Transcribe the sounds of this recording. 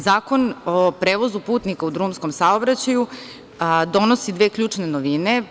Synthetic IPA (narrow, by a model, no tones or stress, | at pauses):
zaːko̞nopɾeːʋo̞zupuːt̪nikaud̪ɾuːmsko̞msaobɾat͡ɕaju | d̪o̞nosid̪ʋeːkʎuːt͡ʂnenoʋine̞